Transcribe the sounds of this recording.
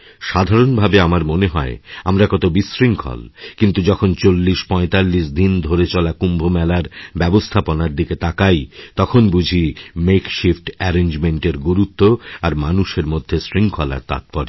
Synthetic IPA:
ʃad̪ʱaɾonbʱabeamaɾmoneɦɔeamɾakɔt̪obisɾiŋkʰɔ̰lkint̪ud͡ʑɔkʰont͡ɕolːiʃpɔ̃et̪alːiʃ̬d̪ind̪ʱoɾet͡ɕɔlakumbʱomɛlaɾbɛbost̪ʰaponaɾd̪iket̪akajt̪ɔkʰonbud͡ʑʱimekʃifʈɛɾend͡ʑmeɳʈeɾɡuɾut̪ːoaɾmanuʃeɾmod̪ʱːesɾiŋkʰɔla̰ɾt̪a̰t̪̚pɔɾi

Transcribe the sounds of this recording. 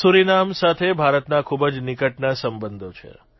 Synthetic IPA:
suɾinamsat̪ʰebʱaɾət̪nakʰubəd͡ʒnikəʈnasəmbənd̪ʱot͡ʃʰḛ

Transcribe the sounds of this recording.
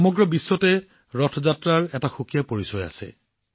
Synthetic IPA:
ɔmɔɡɹɔbisːɔtɛ | ɹɔtʰɔzatɹaɹɛtaxukijapoɹisɔja̰sɛ̰

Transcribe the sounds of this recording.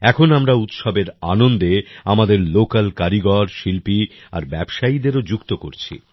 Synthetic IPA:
ɛkʰonamɾaut̪ʃɔbeɾa̰nond̪eamad̪eɾlokalkaɾiɡɔɾʃilpi | a̰ɾbɛbʃaid̪eɾod͡ʑukt̪oko̰ɾt͡ɕʰḭ

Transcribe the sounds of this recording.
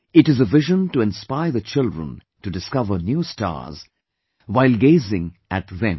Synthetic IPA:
ɪʈɨzəvɪʒə̃ntuɛ̃nspaɪðət͡ʃɪlˠdɹə̰̃n | tudɨskʌvə˞njustɑ̰ɹz̥ | waɪlˠɡeɪzɪ̃ŋʔæt̚ðɛ̰̃m

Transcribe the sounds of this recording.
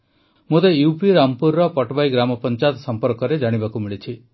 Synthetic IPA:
mot̪ejupiɾampuɾːɔpɔʈbajɡɾamɔpɔnt͡ʃat̪sɔmpɔɾkɔɾed͡ʒaɽ̃ibakumiɭit͡ʃʰi

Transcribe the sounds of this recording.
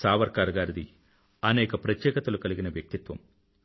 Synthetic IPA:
saːʋɐɾkaːɾɡaːɾɐd̪i | ɐnɛːkɐpɾɐt̪jɛːkɐt̪ɐlukɐliɡinɐʋjɐk̚t̪it̪ʋɐ̰m

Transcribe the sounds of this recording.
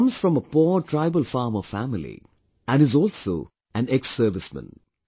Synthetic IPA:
mz̥fɹɔ̃məpɔːtʰɹaɪbəlfɑːməfæmɪlḭ | æ̃nɨzɔːlsoː | æ̃nɛksəːʋɪsmə̰̃n

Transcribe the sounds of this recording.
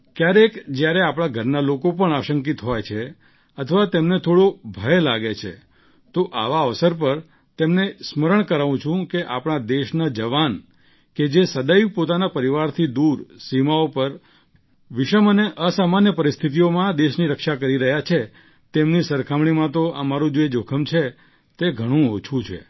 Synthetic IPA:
kjaɾekd͡ʒjaɾeapɳ̃aɡʱəɾnalokopəɳaʃəŋkit̪ɦojt͡ʃʰe | ət̪ʰəʋat̪emnet̪ʰoɽobʱəelaɡet͡ʃʰḛ | t̪oʔa̰ʋaəʋsəɾp̬əɾ | t̪emnesməɾəɳ̃kəɾaʋũt͡ʃʰũkeʔapɳ̃ad̪eʃnad͡ʒəʋan | ked͡ʒesəd̪aipot̪anapəɾiʋaɾt̪ʰid̪uɾsimaopəɾ | ʋɪʃəməneʔəsamanjəpəɾist̪ʰit̪̬ijomãd̪eʃniɾəkʃakəɾiɾəɦjat͡ʃʰe | t̪emnisəɾkʰamɳ̃imãt̪oʔəmaɾũd͡ʒoed͡ʒokʰəmt͡ʃʰe | t̪eɡʱəɽ̃ũot͡ʃʰũt͡ʃʰḛ

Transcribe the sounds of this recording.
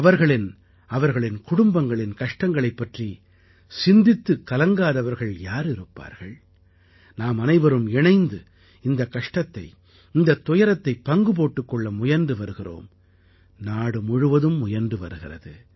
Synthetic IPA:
ɐʋɐɾɣɐɭɪn | ɐʋɐɾɣɐɭɪnkʊɽʊmbɐŋɡɐɭɪnkɐʂʈɐŋɡɐɭɐɪpːɐʈri | sɪnd̪ɪt̪ːɯkːɐlɐŋɡaːðɐʋɐɾɣɐɭjaːɾɪɾɯpːa̰ːɾɣɐɭ | naːmɐnɐɪʋɐɾɯmɛɳɐɪnd̪ɯ | ɪnd̪ɐkɐʂʈɐt̪ːɐɪ | ɪnd̪ɐt̪ːɔjɐɾɐt̪ːɐɪpːɐŋɡɯpoːʈːɯkːɔɭːɐmʊjɐɾnd̪ɯʋɐɾɯɣɪro̰ːm | naːɽɯmʊɻɯʋɐðɯmːʊjɐɾnd̪ɯʋɐ̰ɾɯɣɪrɐ̰ðɯ

